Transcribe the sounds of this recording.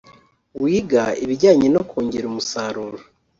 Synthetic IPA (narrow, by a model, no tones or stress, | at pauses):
wiːɡaiβiɟaːɲinokʰoːɲɟeɾumusaːɾuːɾo